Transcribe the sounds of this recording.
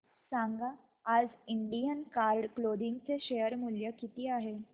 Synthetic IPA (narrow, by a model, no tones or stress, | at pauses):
saŋɡaː | d͡ziɳɖijənkaɾɖklod̪iŋɡt͡seɕejəɾmuljəkit̪iːaɦe